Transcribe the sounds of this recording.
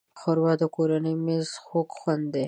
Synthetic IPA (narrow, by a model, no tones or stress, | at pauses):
xoɾwɑd̪əkoɾanəjmezxokxwand̪d̪e